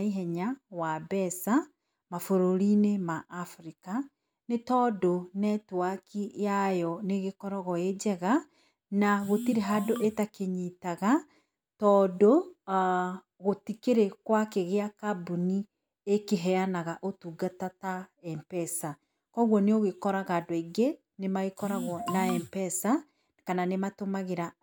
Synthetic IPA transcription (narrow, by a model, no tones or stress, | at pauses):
iɦɛɲawabɛsa | mafoɾoɾinemaʔːfɾika | netɔːdonɛtwakijajɔneɣekɔɾɔɣɔed͡ʒɛɣa | naɣotiɾeɦadoʔetakeɲitaɣa | tɔːdo | ɣotikeɾekwakeɣeakabuni | ekeɦɛanaɣaʔotuɡatataɛmpɛsa | kɔɣwɔneoɣekɔɾaɣadoeɡe | nemaɣekɔɾaɣwɔnaɛmpɛsa | kananematomaɣeɾa